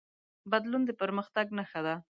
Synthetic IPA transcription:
bad̪lund̪əpəɾməxt̪aɡnaxad̪a

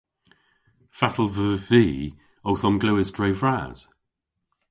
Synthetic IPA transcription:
fatʰəlˠvəːviː | owθɔnɡluːɪzdɹejvɹa̰ːz̥

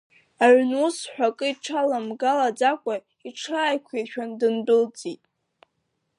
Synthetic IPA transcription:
aʕʷnusħʷᶣakʼɨiʈ͡ʂʰalamɡalad͡zakʷʼa | iʈ͡ʂʰaːjkʷʰeʃᶣandɨndʊld͡zʼitʼ

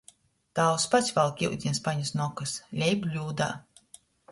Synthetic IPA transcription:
t̪aːwspasʲvalˠkʲiwd̪ʲinspaɲusnɔkaslʲɛjblʲuːd̪a̰ː

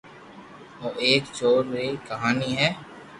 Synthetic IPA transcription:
oːʔeːkt͡ʃoːɾːekɐɦaːniɦɛː

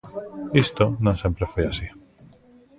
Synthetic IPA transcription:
ist̪onõŋsẽmpɾefojasi

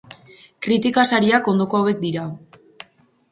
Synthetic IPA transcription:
kɾit̪ikasaɾiako̞nd̪o̞koawe̞k̚d̪iɾa

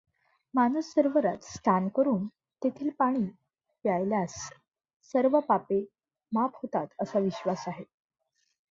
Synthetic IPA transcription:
manusːəɾʋəɾat̪st̪ʰankəɾuːn | t̪et̪ʰiːlpaɽ̃iː | pjajljasː | əɾʋəpape | maphot̪at̪əsaʋiɕʋasaɦe

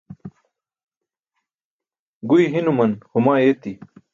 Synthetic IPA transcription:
ɡujɦinumɐnhumaːeːt̪i

